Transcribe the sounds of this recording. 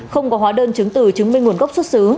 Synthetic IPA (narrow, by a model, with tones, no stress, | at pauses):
xə˧wŋ͡mkɔ˨˦ɦwaː˨˦ɗəː˧nt͡ɕɨ˨˦ŋt̪ɨ˧˩t͡ɕɨ˨˦ŋmi˧ŋ̟ŋu˧˩ənɣa˦˥wk͡p̚swə˦˥t̚sɨ˨˦